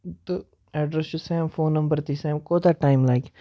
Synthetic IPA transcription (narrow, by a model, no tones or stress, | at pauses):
d̪ə | ɛɖɾɛsusɛ̃ːmfõːnːɐ̃mbəɾt̪iːsɛ̃ːmkoːt̪aʈãɪ̃mlaɪk